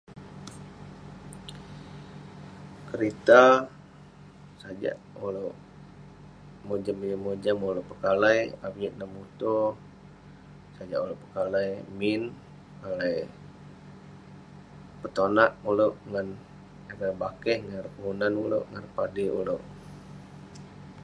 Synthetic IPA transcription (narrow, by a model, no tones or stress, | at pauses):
kəɾit̪a | sad͡ʒa̰ʔuloʔ | mod͡ʒaməɲamod͡ʒamuloʔpəkalajabiʔ̪̚namut̪o | sad͡ʒaʔuloʔpə̥kalajmin | kalaj | pət̪onaʔuloʔŋan | aɡabakɛhŋarpəunanulo̰ʔŋanpadiṵloʔ